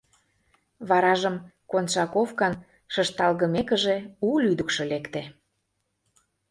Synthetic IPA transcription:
βɑɾɑʒə̆mkonʃɑkofkɑn | ʃəʃt̪ɑlɣə̆mekə̆ʒeulyd̪əkʃɤ̆lekt̪e

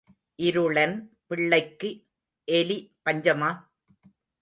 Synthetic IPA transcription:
ʔɪɾɯɽɐn | pɪɭːɐɪkːɯ | ʔɛlipɐɲd͡ʒɐmaː

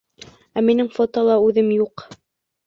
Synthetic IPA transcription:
æminɘŋfot̪ɑlˠɑʉðɘmjuq

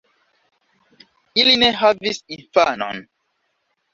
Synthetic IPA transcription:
ilineɦavisinfanɔ̰n

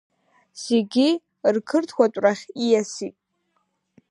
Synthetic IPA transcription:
se̞ɡʲi | rkʰɨrtʰkʷatʷʼraχʲijasitʼ

